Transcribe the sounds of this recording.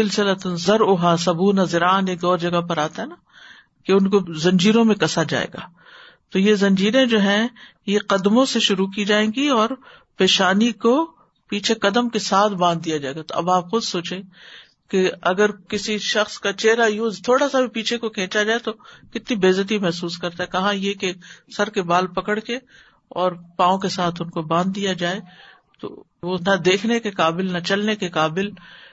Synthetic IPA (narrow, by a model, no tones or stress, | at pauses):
sɪlsɪlət̪ənzɐɾʊɦasɐbuːnazɪɾaːneːkɔːɾd͡ʒɐɡapɐɾaːt̪aɦɛna | keʊnkozɐ̃ɲd͡ʒiːɾõmẽkɐsad͡ʒa̰ːḛːɡa̰ː | t̪ojezɐ̃ɲd͡ʒiːɾẽd͡ʒoːɦɛ̃ | jeqɐd̪mõseʃʊɾuk̬iːd͡ʒaːẽːɡiɔːɾ | peːʃaːniko | piːt͡ʃʰekɐd̪əmkesaːt̪ʰbãːnd̪̚d̪ijad͡ʒaːeːɡat̪oɐ̰baːpxʊd̪soːt͡ʃẽ | keɐɡəɾkɪsiʃɐxskat͡ʃeːɾajuːzt̪ʰoːɽasabʱipiːt͡ʃʰekokʰẽːt͡ʃad͡ʒaːet̪okɪt̪nibeːzət̪̬imɛɦsuːskɐɾt̪aɦɛkɐɦãjekesɐɾkebaːlpɐkəɽke | ɔːɾpãːõkesaːt̪ʰʊnkobãːnd̪ːijad͡ʒaːe | t̪o̰ | ʋonɐd̪eːkʰnekekaːbɪlnɐt͡ʃɐlnekekaːbɪl